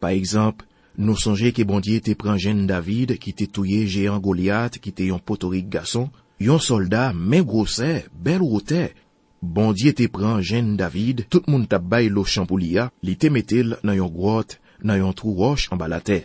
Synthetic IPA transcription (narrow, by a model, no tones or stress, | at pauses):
paʁɛɡzɑ̃pl | nũsɔ̃ʒekəbɔ̃djet̪epʁɑ̃ʒɛ̃nd̪avid̪kit̪et̪ujeʒeɑ̃ɡolat̪kit̪ejɔ̃pot̪oʁik̚ɡasɔ̃ | jɔ̃sɔld̪amɛ̃ɡʁosɛbɛlʁot̪ɛ | bɔ̃djet̪epʁɑ̃ʒɛ̃nd̪avid̪t̪ut̪̚mũnt̪ap̚bajloʃɑ̃pulialit̪emet̪elnãjɔ̃ɡʁɔt̪ | nãjɔ̃t̪ʁuʁɔʃɑ̃balat̪ɛ